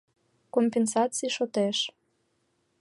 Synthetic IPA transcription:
kompensɑt͡sijʃot̪eʃ

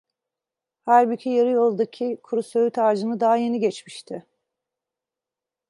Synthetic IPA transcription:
hæɾbicʰijaɾɯjo̞lˠd̪ucʰːikʰuɾusøyt̪ʰaːd͡ʒɯnɯd̪aɦaje̞niɟɛt͡ʃmiʃt̪ʰɪ

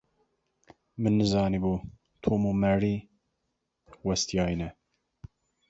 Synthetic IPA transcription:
mɨnːɨzɑːnibuː | t̪ʰoːmomɛɾiː | wɛst̪jɑːjnɛ

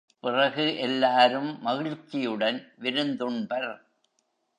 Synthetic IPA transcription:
pɪrɐɣɯʔɛlːaːɾɯmːɐɣɪɻt͡ʃːɪjɯɽɐnʋɪɾɯnd̪ɯɳbɐɾ

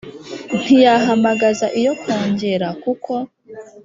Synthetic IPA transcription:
n̥ijaɦamaɡazaʔijo̞kʰo̞ːɲɟe̞ɾakukʰo̞

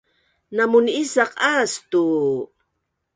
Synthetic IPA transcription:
namunisaqast̪u

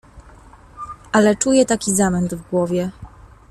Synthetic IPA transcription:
ʔalɛt͡ʂujɛt̪akʲizamɛnd̪vɡwɔvʲjɛ

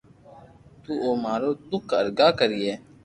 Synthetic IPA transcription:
t̪uːoːmaːɾoːt̪ʊkə̰ɾɡaːkəɾieː

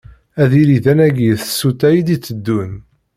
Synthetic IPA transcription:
æðiliðænæɡjəθə̥sːut̪æjid̪it͡sːəd̪ːun

